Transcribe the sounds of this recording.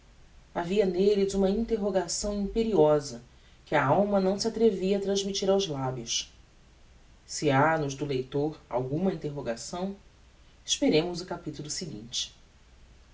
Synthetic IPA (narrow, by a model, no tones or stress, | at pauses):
aviɐnelɪzũmɐĩnt̪eɦoɡasɐ̃w̃ĩmpeɾiɔzɐ | kɪɐawmɐnɐ̃w̃siat̪ɾeviɐat̪ɾɐ̃zmit͡ʃiɾawzlabjʊs | sɪanʊzd̪ʊlejt̪oɾa̰wɡũmɐĩnt̪eɦoɡasɐ̃w̃ | ɪʃpeɾẽmʊzʊkapit̪ulˠʊsiɡḭ̃nt͡ʃɪ̥